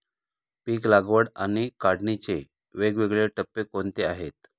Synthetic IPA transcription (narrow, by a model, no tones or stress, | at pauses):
piːklaɡʋəɽañikaɽnit͡ɕe | ʋeɡʋeɡɭeʈəpːekont̪eaɦet̪